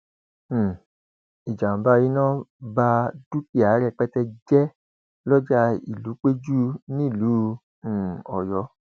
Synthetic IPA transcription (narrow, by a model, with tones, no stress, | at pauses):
i˨d͡ʒã˨ba˦ji˦nã˦˨ba˧d̥u˦ki˦˨a˨˦ɾɛ˧˨k͡pɛ˦tɛ˧d͡ʒɛ˦ | lɔ˦d͡ʒa˦ḭ˨lu˨˦k͡pe˦d͡ʒu˦nĩ˦˨lũ˨˦˨ | ɔ˨jɔ˨˦